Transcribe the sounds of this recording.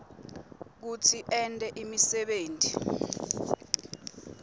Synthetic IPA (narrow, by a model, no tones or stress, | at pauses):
k̬utʰiʔɛntʼɛʔimisɛɓeːntʼi